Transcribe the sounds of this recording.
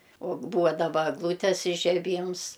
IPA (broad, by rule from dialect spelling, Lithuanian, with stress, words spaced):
oː ˈbuːʋɐ dɐˈbɐ ɛɡˈlˠuːtʲɛs ɪʒʲɛˈbʲiːms